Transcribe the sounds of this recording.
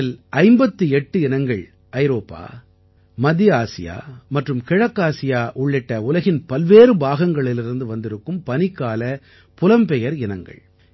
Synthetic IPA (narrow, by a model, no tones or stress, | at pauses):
ɪlɐɪmbɐt̪ːɯɛʈːɯɪnɐŋɡɐɭ | ɐɪɾoːpːa̰ː | mɐðɪaːsɪja̰ːmɐʈrɯmkɪɻɐkːaːsɪjaːʔʊɭːɪʈːɐʊlɐɣɪnpɐlʋeːɾɯbaːɣɐŋɡɐɭɪlɪɾɯnd̪ɯʋɐnd̪ɪɾɯkːɯmpɐnɪkːaːlɐ | pʊlɐmpɛjɐɾɪnɐŋɡɐ̰ɭ